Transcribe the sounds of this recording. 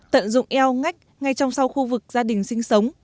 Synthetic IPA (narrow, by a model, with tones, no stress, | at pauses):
t̪ə̰˧˨nzʊ̰˧˨ŋ͡mʔɛ˧wŋa˦˥jk̟̚ŋa˧jt͡ɕɔ˧wŋ͡msa˧wxu˧vɨ˨˩k̚zaː˧ɗï˨˩ŋ̟sï˧ŋ̟sə˨˦wŋ͡m